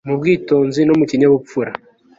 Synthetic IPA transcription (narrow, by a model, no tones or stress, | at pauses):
mubɡiːto̞ːnzinomuciɲaβup͡fuɾa